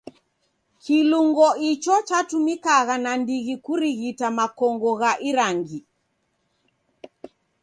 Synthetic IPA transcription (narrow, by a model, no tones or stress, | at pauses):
kiluŋɡɔit͡ʃɔt͡ʃatumikaɣanandiɣikuɾiɣitamakɔŋɡɔɣaʔiɾaŋɡi